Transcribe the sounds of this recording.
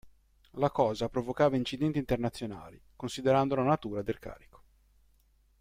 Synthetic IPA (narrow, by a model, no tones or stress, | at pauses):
lakɔːzapɾovokaːvaint͡ʃid̪ɛnt̪iːnt̪ernat̪sːjona̰ːlikonsid̪eɾand̪olanat̪uːɾad̪elka̰ːɾiko̥